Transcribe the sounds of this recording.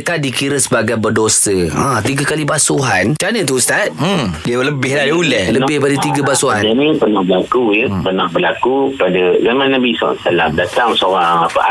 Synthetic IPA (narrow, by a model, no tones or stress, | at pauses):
kadikiɾəsəbaɡajbərdosəãt̪iɡakalibasuɦant͡ʃanət̪̬uust̪at̪̚diələbɪhladiəulələbɪhpadət̪iɡəbasuɦananipənahbəlakujəpərnahbəlakupadazamãnabisa̰salamdat̪aŋsowaŋapaa